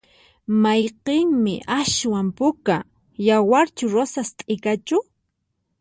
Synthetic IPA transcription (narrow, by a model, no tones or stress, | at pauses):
majqeŋmɪ̰ʔaʃwampʊka | jawaɾt͡ʃʊɾosast̪ʼɪkat͡ʃʊ